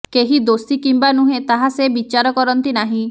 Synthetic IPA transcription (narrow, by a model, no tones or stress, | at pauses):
keɦid̪ost̪ikimbanuɦet̪aɦasebit͡ʃaɾɔkɔɾɔnt̪inaɦĩ